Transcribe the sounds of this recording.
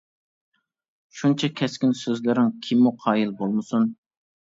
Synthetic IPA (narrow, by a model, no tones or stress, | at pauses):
ʃunt͡ʃʰɛkʲʰɛskʲinsøzlɪɾɪŋkʲʰimːuqʰɑːjilbolˠmɨsun